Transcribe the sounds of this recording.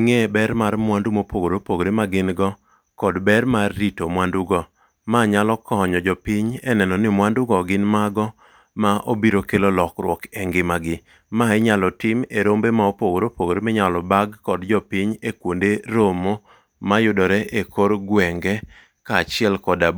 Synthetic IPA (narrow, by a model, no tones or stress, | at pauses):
ŋebɛɾmarmwandumopoɡoɾopoɡoɾemaɡɪnɡɔ | kɔdbɛɾmarːitomwanduɡɔ | maɲalɔkɔɲɔd͡ʒɔpɪɲɛnɛnɔnɪmwandʊɡɔɡɪnmaɡɔ | maʔobiɾokelolɔkɾwɔkɛŋɡɪmaɡɪ | maeɲalɔtɪmeɾombemaopoɡoɾopoɡoɾemɪɲalɔbaɡkɔdd͡ʒɔpiɲekwondeɾomo | majʊdɔɾɛʔekoɾɡwɛŋɡɛ | kat͡ʃɪɛlkɔdab